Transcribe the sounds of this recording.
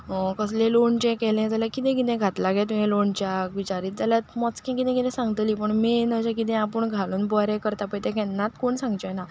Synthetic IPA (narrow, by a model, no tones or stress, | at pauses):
kəslẽloɳt͡ɕɛ̃kɛlɛ̃d͡zaljakit̪ɛ̃kit̪ɛ̃ɡʱat̪laɡɛ̃t̪ũɦɛ̃loɳt͡ɕjakʋit͡ɕaɾiːt̪̚d͡zaljat̪mɔt͡skʰɛ̃kit̪ɛ̃kit̪ɛ̃sãŋɡət̪liːpəɳminəd͡ʑɛ̃kit̪̬ɛ̃apəɳɡʱaluːnbɔɾɛ̃kəɾt̪apəjt̪ɛ̃kɛnːãt̪koɳsãŋɡd͡ʑena